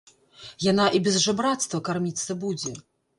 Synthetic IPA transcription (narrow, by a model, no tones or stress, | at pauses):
janaʔibʲɛzʐɨbɾat̪st̪vɐkarmʲit̪sːɐbud͡zʲɛ